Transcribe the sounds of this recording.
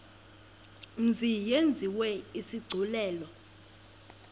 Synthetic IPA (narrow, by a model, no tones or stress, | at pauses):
m̩zijend͡zʱiwɛisiɡ͡ǀʱulɛːlɔ